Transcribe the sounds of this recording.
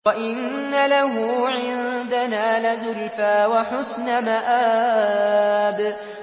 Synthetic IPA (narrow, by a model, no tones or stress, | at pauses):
aʔɪnː | alaɦʊʕɪnd̪anaːlazʊlfaːwaħʊsnamaʔaː | b